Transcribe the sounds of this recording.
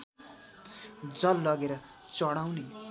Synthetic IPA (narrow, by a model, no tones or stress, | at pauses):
d͡zʌlːʌɡeɾʌt͡sʌɽ̃awne